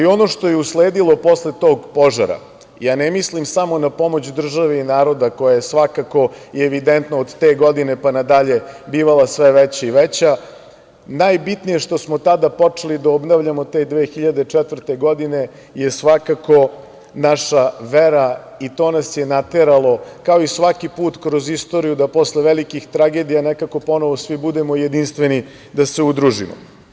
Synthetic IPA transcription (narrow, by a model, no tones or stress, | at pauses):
io̞no̞ʂt̪o̞je̞usleːd̪ilˠo̞po̞slet̪o̞ːɡpo̞ʒa̰ɾa̰ | jaːnɛmislimsamo̞napo̞mo̞t͡ɕd̪r̩ʒaʋe̞inaːɾo̞d̪ako̞jajesʋakako̞ieʋid̪ent̪noːd̪t̪eːɡo̞d̪ine̞panad̪aʎe̞biːʋalˠasʋeʋɛt͡ɕaiʋɛt͡ɕa | najbit̪nije̞ʂt̪o̞smot̪ad̪apo̞t͡ʂelid̪aobnaʋʎamot̪e̞d̪ʋeːxiʎad̪et͡ʂɛt̪ʋr̩t̪eɡod̪ine̞ | jesʋakako̞ | naʃaʋeɾa | it̪o̞ːnasje̞nat̪eɾalˠo̞kaoisʋakipuːt̪kɾo̞zist̪oɾijud̪apo̞sleʋelikixt̪ɾaɡe̞d̪ijanekako̞po̞noʋosʋibud̪e̞mo̞jed̪inst̪ʋeni | d̪aseud̪ɾuʒḭmo̰